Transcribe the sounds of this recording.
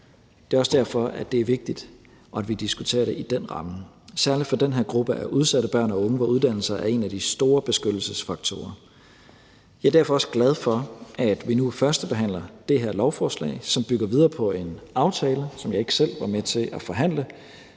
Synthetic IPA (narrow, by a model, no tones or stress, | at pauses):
d̥e̝ɒ̽sd̥æɐ̰fɒ̽æd̥e̝æɐʋe̝ɡ̥̚d̥id̥ | ʔɒ̽ædʋid̥isɡ̥ut͡sʰe̝̰ːɐɾe̝ʔid̥en̰ʁɑ̈mə | sæɐlid̥fɒ̽d̥enɦeɐ̰ɡ̥ʁub̥əʔæʔuð̞ˠsæɾ̥əb̥ɶɐ̰nɒɔ̽ŋəʋɑuð̞ˠd̥æn̰l̩sɐʔæe̝næd̥isd̥o̝ːɐb̥e̝sɡ̥ød̥l̩səsfɑ̈ɡ̥̚t͡sʰo̝̰ːɐ | jɑ̈ɪæd̥æɐ̰fɒ̽ɒ̽səɡ̥læð̞ˠfɒ̽æd̥ʋinufɶɐsd̥əb̥e̝ɦæn̰lɐd̥e̝ɦe̝ɐ̰lɒʊfɒːslɛ̰ɪsɒ̽mb̥yɡ̥ɐʋið̞ˠɐːpʰɒ̽e̝nɑ̈ʊt͡sʰɛːləsɒ̽mjɑ̈ɪe̝ɡ̥ə̥sel̰ʋɑ̈met͡sʰe̝lʔæfɒ̽ɦæn̰lə